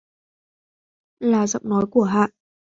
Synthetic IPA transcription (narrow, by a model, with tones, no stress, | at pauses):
laː˨˩zə̰˧˨wŋ͡mnɔ˨˦jku˧˩əɦa̰ː˧˨ʔ